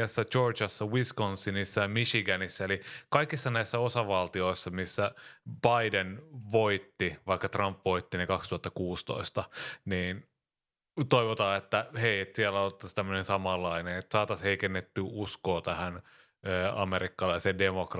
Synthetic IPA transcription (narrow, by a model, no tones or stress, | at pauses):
sːɑt͡ʃort͡ʃɑsːɑwiskonsːinisːɑjɑmiʃiɡænisːæelikɑikisːɑnæisːæosɑʋɑlt̪ioisːɑmisːæb̥ɑidenʋoit̪ːiʋɑikːɑt̪rɑmpʋo̞it̪ːinekɑkst̪uhɑt̪ːɑkuːst̪o̰ist̪ɑniːn | t̪oiʋot̪ɑːet̪ːæheiet̪siælːæolt̪ːɑst̪æmːønẽnsɑmɑlːɑineet̪sɑːt̪ɑsheikenːet̪ːyuskoːt̪æhæn | øːɑ̰meɾikːɑlɑisendemokr